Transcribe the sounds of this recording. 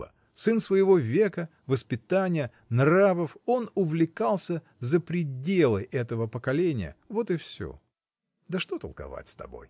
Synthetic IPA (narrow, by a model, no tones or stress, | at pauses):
ə̰ | sɨnsvəjɪvo̞vʲekə | vəspʲɪt̪anʲɪjə | nravəfo̞nʊvlʲɪkalˠsʲə | zəpɾʲɪdʲelˠɨ̰jʔɛt̪əvəpəkɐlʲenʲɪ̰jə̰vo̞t̪ɨfsʲo̰ | d̪əʂt̪ot̪əlˠkɐ̰va̰tʲst̪ɐ̰bo̞̰j